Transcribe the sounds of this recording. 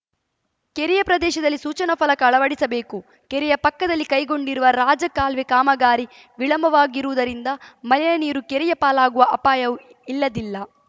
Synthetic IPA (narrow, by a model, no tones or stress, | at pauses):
keɾijɐpɾɐd̪ɛːʃɐd̪ɐlːisuːt͡ʃɐnɐpʰɐlɐkɐːɭɐʋɐɽisɐbeːku | keɾɛjɐpɐkːɐd̪ɐlːikɐjɡo̞ɳɖiɾuʋɐɾaːd͡ʒɐkaːlʋekaːmɐɡaːɾi | ʋiɭɐmbɐʋaːɡiɾuʋud̪ɐɾind̪ɐmɐlɐjɐniːɾukeɾɛjɐpaːlaːɡuʋɐʔɐpaːjɐu | ilːɐd̪ilːɐ